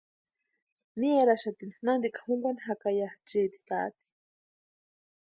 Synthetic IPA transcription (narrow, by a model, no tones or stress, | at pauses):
niaɾaʃat̪inanand̪ikḁhuŋɡaniɦakajat͡ʃiːt̪i̥t̪a̰t̪i̥